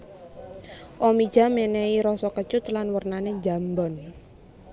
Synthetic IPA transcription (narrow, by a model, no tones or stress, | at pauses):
ʔomi̥d͡ʒ̥a̤meneiɾɔsɔkət͡ʃʊt̪lanwərnaned͡ʒa̤mbɔn